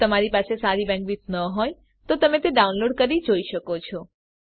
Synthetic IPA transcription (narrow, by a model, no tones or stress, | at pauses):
t̪əmaɾipasesaɾibɛ̃ŋkʋit͡snəɦoj | t̪ot̪əmẽt̪eɖaunloɖkəɾid͡ʒoiʃəkot͡ʃʰɔ